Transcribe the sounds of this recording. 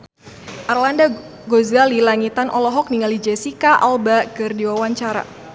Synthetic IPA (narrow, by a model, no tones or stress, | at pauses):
ʔarlanda | ɡozɡalilaŋit̪anʔɔ̰lɔɦɔk̚niŋalid͡ʒɛsikaʔalbakɨrdiwawaɲt͡ʃaɾa̰